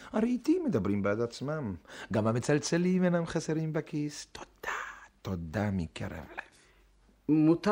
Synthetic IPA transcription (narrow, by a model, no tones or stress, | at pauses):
aɾeit̪imːed̪abɾimbead̪at͡smamɡamhamet͡salt͡selimenamχaseɾimbakist̪ʰod̪̥at̪od̪amḭkḛɾḛvlev | mut̪